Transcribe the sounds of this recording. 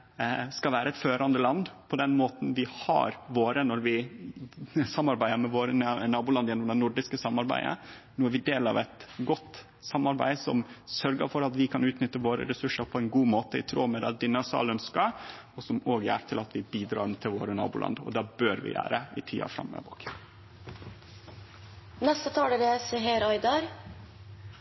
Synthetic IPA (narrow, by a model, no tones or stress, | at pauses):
skɑʋæːɾʔəɛt̪føːɾɑnd̪əlɑnd̪pʰɔd̪ɛnmoːt̪n̩ʋɪhɑ̰ɾʋoːɾənɔɾʋɪ | sɑmːɑɾbæɪəmɛʋoːɾənnɑːbʊlɑnd̪jɛnːɔmd̪ɛnʊɖɪskəsɑmːɑɾbæ̰ɪə̰nuːæɾʋɪd̪eːlɑ̰ʋɛt̪ɡɔt̪ː | sɑmːɑɾbæ̰ɪsɔmsœɾɡə̰ɾfɔɾɑt̪ʋɪkʰɑnʉːt̪nʏt̪ːəʋoːɾə̰ɾɛsʉʂəɾpʰɔɛɪnɡuːmoːt̪əɪ̰t̪ʰɾoːmɛd̪ɛd̪ɪnɑsɑ̰ːlœnskɑ | ɔsɔmoːɡæ̰ɾt̪ʰɪlɑt̪ʰʋɪbiːd̪ɾɑ̰ːɾt̪ʰɪlʋoːɾənɑ̰ːbʊlɑ̰nd̪ɔ̰d̪ɑːbøːɾʋɪ̰jæ̰ːɾəɪ̰t̪ʰḭːɑ̰fɾɑ̰mːə̰ʋo̰ːk | nɛst̪ət̪ʰɑːɽəʋɪɛsɛɦɛɾɔʏd̪ɑɾ